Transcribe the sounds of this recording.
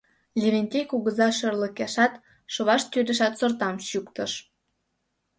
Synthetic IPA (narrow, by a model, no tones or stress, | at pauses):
lʲeβenʲt̪ʲejkuɣəzɑʃərlə̆keʃɑt̪ | ʃoβɑʃt̪ylʲĕʃɑt̪sort̪ɑmɕukt̪ə̆ʃ